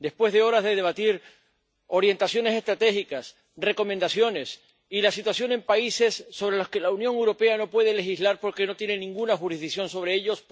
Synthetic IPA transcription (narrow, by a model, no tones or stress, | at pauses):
d̪e̞spwe̞zðe̞o̞ɾazðeðeβat̪iɾ | o̞ɾje̞nt̪asjo̞ne̞se̞st̪ɾat̪e̞xikas | re̞ko̞mẽnd̪asjo̞ne̞s | ilasit̪wasjo̞ŋe̞mpaise̞sːo̞βɾe̞loske̞launjoŋewɾo̞pe̞ano̞pwe̞ð̞e̞le̞xizlaɾpo̞ɾke̞no̞t̪je̞nenĩŋɡunaxuɾizðiksjõ̞nso̞β̞ɾe̞eʎo̞sp